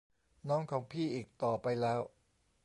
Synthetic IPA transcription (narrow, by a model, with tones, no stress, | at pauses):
nɔː˦˥ŋkʰɔː˩˦ŋpʰiː˥˩ʔiː˨˩k̚t̪ɔː˨˩pa˧jlɛː˦˥w